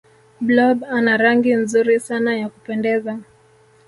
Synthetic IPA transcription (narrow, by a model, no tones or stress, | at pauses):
blɔbanaɾaŋɡinzuɾisanajakupɛndɛza